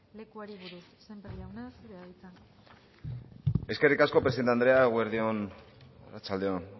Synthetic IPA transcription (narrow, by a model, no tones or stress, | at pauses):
le̞kuaɾiβuɾusːemberiawnesβeait͡san | e̞ske̞rikasko̞pɾesiðeneand̪ɾe̞aɣweɾðio̞n | o̰ɾat͡sald̪e̞on